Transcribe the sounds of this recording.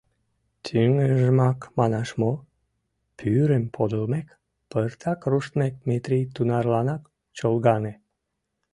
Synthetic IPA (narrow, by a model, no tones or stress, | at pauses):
t̪ʲʰyŋeʒəmɑkmɑnɑʃmo | pʰyɾempʰod̪əlmek | pərt̪ʰɑkruʃt̪mek̚met̪ɾijt̪unɑrlɑnɑk | t͡ɕolɡɑne